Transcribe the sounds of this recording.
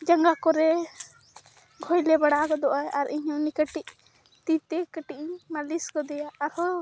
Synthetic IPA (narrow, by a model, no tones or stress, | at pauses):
d͡ʒaŋɡakɔɾɛ | ɡʱɔjlɛbaɽakɔd̪ɔʔajaɾiɲɔ̃nikəʈiʔ̚ | t̪it̪ɛkəʈiʔmaliskɔd̪ɛjaːɾhɔ